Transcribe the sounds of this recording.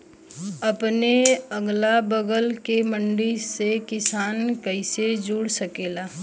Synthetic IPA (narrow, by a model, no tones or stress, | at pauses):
əpneəɡlabəɡəlkemə̃ɳɖisekɪsaːnkəɪsed͡ʒuːɽsəkeːlaː